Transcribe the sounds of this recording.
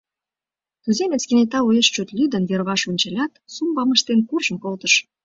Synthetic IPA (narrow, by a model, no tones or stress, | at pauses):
t̪yzemʲet͡skenet̪ɑujəʃt͡ɕøt̪lʲyd̪ənverβɑʃunʲt͡ɕɑlʲɑt̪sumbɑməʃt̪enkurʒəmkolt̪əʃ